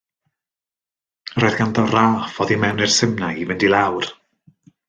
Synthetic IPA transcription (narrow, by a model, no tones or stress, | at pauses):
roːjðɡandɔraːfɔðimɛwnɪr̥sɪmnajivɪndilˠawr